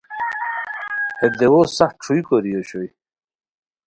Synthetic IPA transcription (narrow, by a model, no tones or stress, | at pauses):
ed̪ewosɐx̚ʈ͡ʂʰuikoɾijoɕoj